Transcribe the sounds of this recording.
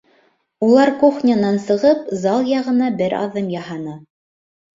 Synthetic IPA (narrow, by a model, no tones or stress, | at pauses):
ulˠɑɾkuχnʲanɑnsɤ̆ʁɤpzɑlˠjɑʁɤ̆nɑbɘɾɑ̰ðɤmjɑhɑnɤ